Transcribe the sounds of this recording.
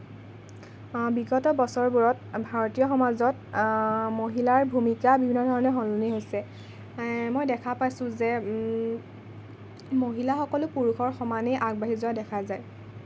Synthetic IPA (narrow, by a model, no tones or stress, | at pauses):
biɡɔtɔbɔsɔɹbuɹɔtbʱaɹɔtijɔxɔmazɔt | moɦilaɹbʱumikabibʱinːɔdʱɔɹɔnɛɦɔluniɦojsɛ | mojdɛkʰapajsʊ̃zɛ | moɦilaxɔkɔlʊpuɹuxʰɔɹxɔmanɛʔaɡ̚baɦizɔadɛkʰazaj